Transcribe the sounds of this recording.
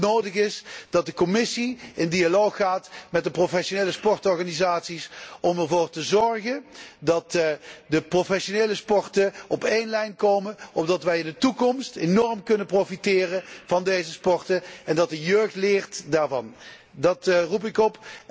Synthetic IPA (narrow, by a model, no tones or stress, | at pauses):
nowdəχɪsd̥ɑt̚dəkɔmɪsiɪndialowxːaːtmɛt̚dəprofɛʃonejləspɔrtɔɹχanizaːtsisɔmɛɹvoːrtəzɔɹχəndɑtdəprofɛʃonejləspɔrtəɔpejnlɛjnkowmənɔb̚dɑtʋɛjɪndətukɔmstenɔrmkɵnəprofitɪːrəv̥ɑndejzəspɔɹtəɛndɑt̚dəjøːχtlɪːɹtdaːɹvɑn | dɑtrup̬ɪkɔp